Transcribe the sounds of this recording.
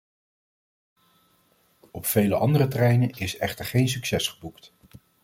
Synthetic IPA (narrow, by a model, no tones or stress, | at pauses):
ɔpfejləʔɑ̰ndərətrɛjnənɪsɛ̰χtəɹχejns̬yksɛsχəbukt